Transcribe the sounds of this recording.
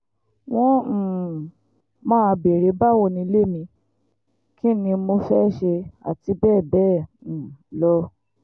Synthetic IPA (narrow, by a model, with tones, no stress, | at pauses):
w̃ɔ̃˦˨ | mãː˦˧be˨ɾe˨˦ba˦˨wɔ˧nĩ˧˦le˦˨mĩ˧ | kĩ˦nĩ˧mo˧fɛ˦ʃe˧a̰˨ti˧˦bɛː˦˨bɛ̃ː˦˨ | lɔ˦